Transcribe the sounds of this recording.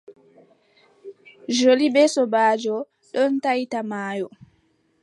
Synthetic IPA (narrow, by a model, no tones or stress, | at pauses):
d͡ʒolibɛsɔbaːd͡ʒɔ | ɗɔntajtamaːjɔ